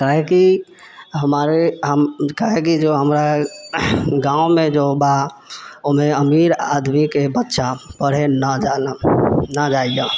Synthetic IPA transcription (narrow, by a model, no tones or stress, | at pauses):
kaɦɛki | ɦəmaːɾeɦəmkaɦekid͡ʒoɦəmɾa | ɡãːumẽd͡ʒoba | omẽəmiɾa̰d̪mikebətːʃʰapəɽ̤enəa | nad͡ʒaːijã